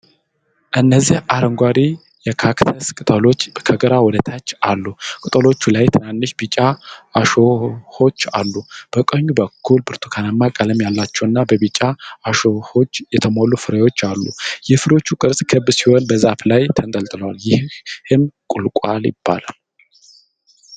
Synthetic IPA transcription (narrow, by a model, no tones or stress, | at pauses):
ʔɨnːəzːihʔaɾəŋɡʷaɾi | jɛkʰakt̪ʰəskʼɨt̪ʼəlo̞t͡ʃːkʰəɡəɾawɔd̪ət̪ʰat͡ʃːalːukʼɨt̪ʼəlo̞t͡ʃːulajt̪ʰɨnanːɨʃbit͡ʃʼːaːʃoho̞t͡ʃːa̰lːub̥əkʼəɲːubəkʰːulbɨɾt̪ʰokʰanamːakʼələmjalːat͡ʃːɛwɨnːabəbit͡ʃʼːaːʃoho̞t͡ʃːjɛt̪ʰəmolufɨɾəjo̞t͡ʃːalːṵjɛfɨɾo̞t͡ʃːukʼɨɾsʼkʰɨbsiho̞nbəzaflajt̪ʰənt̪ʼəlt̪ʼɨləwaljɪhhɨnkʼʊlkʼaljɪ̰b̥ːa̰la̰l